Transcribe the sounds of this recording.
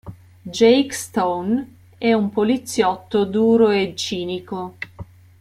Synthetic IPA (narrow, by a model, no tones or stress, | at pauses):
d͡ʒɛjkst̪own | ɛumpolit̪sːjɔt̪ːod̪uːɾoet͡ʃːiːniko